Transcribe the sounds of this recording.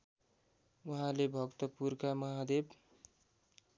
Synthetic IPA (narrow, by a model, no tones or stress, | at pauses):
uɦãlebʱʌkt̪ʌpurkamʌɦad̪eb